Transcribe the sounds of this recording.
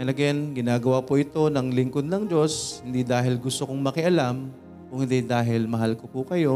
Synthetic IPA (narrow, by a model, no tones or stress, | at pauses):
ɐlɐɡɛnɡɪnaːɡɐwapʊʔɪt̪o̞nɐŋlɪŋkod̪̚nɐŋd͡ʒo̞shɪnd̪id̪aːɦɪlɡʊst̪okoŋmɐkɪʔɐlam | kʊŋhɪnd̪id̪aːɦɪlmɐɦalkopukɐjo̞